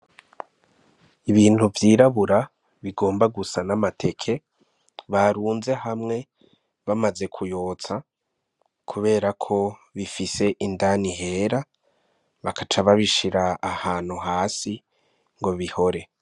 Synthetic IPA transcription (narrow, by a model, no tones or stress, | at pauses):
iβiːn̥huvjiːɾaβuɾa | βiɡo̞ːmbaɡusanamatʰe̞kʰe̞ | βaɾuːnze̞hamŋe̞ | βamaze̞kʰujo̞ːt͡sa | kʰuβe̞ːɾakʰo̞βifise̞ʔindaniɦe̞ːɾa | βakat͡ʃaβaβiʃiɾaːhaːn̥huɦaːsi | ŋɡo̞βiho̞ɾe̞